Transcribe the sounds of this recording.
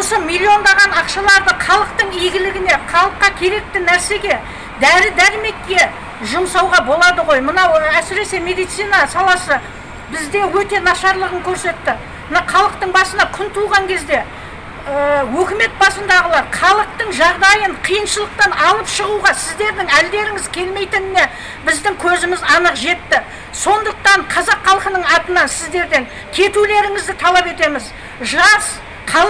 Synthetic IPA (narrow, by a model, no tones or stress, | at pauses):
wosəmilʲːio̞nd̪ɑʁɑnɑqʃɑlˠɑɾd̪əqʰɑlˠəq̚t̪əɴijɡʲɪlɪɡʲɪne̞qʰɑlˠəqːɑkʲʰe̞ɾe̞k̚t̪ɪnæɾse̞ɡʲe̞ | d̪æɾɪd̪æɾɪme̞kʲːe̞ | ʒʊmsɑwʁɑbo̞lˠɑd̪əʁo̞jmənɑwæsɪɾe̞se̞me̞d̪ijt̪sijnɑsɑlˠɑsə | bɪzd̪e̞wɵt̪e̞nɑʃɑɾlˠəʁəŋkʲʰɵɾse̞t̪ːɪ | mənɑχɑlˠəq̚t̪əɴbɑsənɑkʲʰʏnt̪ʰuʁɑŋkʲʰe̞zd̪e̞ | əwɵkʲɪme̞t̪̚bɑsənd̪ɑʁəlˠɑɾχʰɑlˠəq̚t̪əɴʒɑʁd̪ɑjəɴqʰijənʃəlˠəq̚t̪ɑnɑlˠəpʃəʁuʁɑsɪzd̪e̞ɾd̪ɪŋæld̪e̞ɾɪŋɪzkʲʰe̞lme̞jt̪ɪnɪne̞ | bɪzd̪ɪŋkʲʰɵzɪmɪzɑnəqʒe̞t̪ːɪ | so̞nd̪əq̚t̪ɑɴqʰɑzɑqχɑlˠqənəɴɑt̪ənɑnsɪzd̪e̞ɾd̪e̞ŋ | kʲʰe̞t̪ule̞ɾɪŋɪzd̪ɪt̪ʰɑlˠɑpe̞t̪e̞mɪz | ʒɑs | qʰɑ